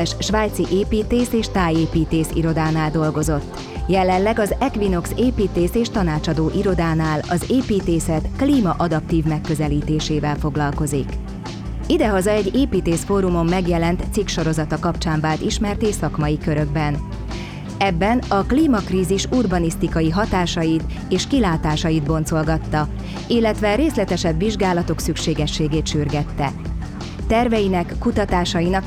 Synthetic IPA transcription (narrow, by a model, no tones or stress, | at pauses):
ɛʃʃʋaːjt̪siʔeːpiːt̪eːseːʃt̪aːjeːpiːt̪eːsḭɾo̞d̪aːnaːld̪o̞lɡo̞zo̞t̪ː | jɛlɛllɛɡɒzɛkʋino̞kseːpiːt̪eːseːʃt̪ɒnaːt͡ʃɒd̪oːʔiɾo̞d̪aːnaːlɒzeːpiːt̪eːsɛt̪kliːmɒʔɒd̪ɒp̚t̪iːvmɛkːøzɛliːt̪eːʃeːvɛlfo̞ɡlɒlko̞zik | id̪ɛɦɒzɒɛɟːeːpiːt̪eːsfoɾumo̞mːɛɡjɛlɛnt̪sikʃo̞ɾo̞zɒt̪ɒkɒpt͡ʃaːɱvaːlt̪iʃmɛrt̪eːsɒkmɒjikøɾø̞ɡ̚bɛn | ɛbːɛnɒkliːmɒkriːziʃurbɒnist̪ikɒjiɦɒt̪aːʃɒjit̪ | eːʃkilaːt̪aːʃɒjid̪bo̞nt̪zso̞lɡɒt̪ːɒ | ilːɛt̪ʋɛɾeːslɛt̪ɛʃɛbʋiʒɡaːlɒt̪o̞ksykʃeːɡɛʃːeːɡeːt̪ʃyrɡɛt̪ːɛ | t̪ɛrvɛjinɛkːut̪ɒt̪aːʃɒjinɒk